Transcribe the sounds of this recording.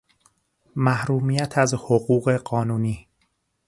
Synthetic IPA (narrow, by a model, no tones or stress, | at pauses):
mæhɾuːmiːjæt̪ʰæzhoɣuːɣe̞ɢɒːnuːniː